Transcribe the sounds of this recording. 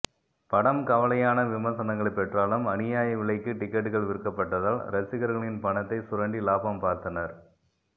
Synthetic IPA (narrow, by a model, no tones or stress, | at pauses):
pɐɽɐmkɐʋɐlɐjaːnɐʋɪmɐɾsɐnɐŋɡɐɭpːɛʈraːlɯmɐnɪjaːjɐʋɪɭɐɪkːɯʈɪkːɛʈːɯɣɐɭʋɪɾɯkːɐpːɐʈːɐðaːlɾɐt͡ʃːɪɣɐɾɣɐɭɪnpɐɳɐt̪ːɐɪsʊɾɐɳɖilaːpɐmpaːɾt̪ɐnɐɾ